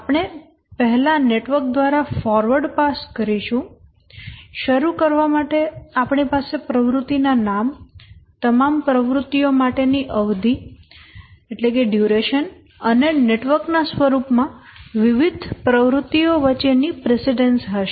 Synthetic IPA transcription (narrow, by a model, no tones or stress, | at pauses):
apɳ̃e | pəɦɛlaneʈʋəɾk̚d̪ʋaɾafɔɾʋəɾɖpaskəɾiʃũ | ʃəɾukəɾʋamaʈeapɳipasepɾəʋɾʊt̪ːinanamt̪əmampɾəʋɾʊt̪ːijomaʈeniʔəʋd̪ʱi | eʈlekeɖjuɾeʃən | əneneʈʋəɾknasʋəɾupmãʋɪʋɪd̪ʱpɾəʋɾʊt̪ːioʋət͡ʃenipɾesiɖensɦəʃe